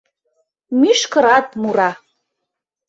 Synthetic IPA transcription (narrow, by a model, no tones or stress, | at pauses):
myʃkəɾɑt̪muɾɑ